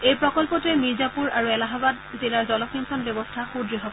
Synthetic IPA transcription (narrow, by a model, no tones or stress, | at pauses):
ejpɹɔkɔlpɔtɛmiɹzapuɹaɹuɛlaɦabad | zilaɹzɔlɔkʰinsɔnbɔbɔstʰaxudɹiɦɔp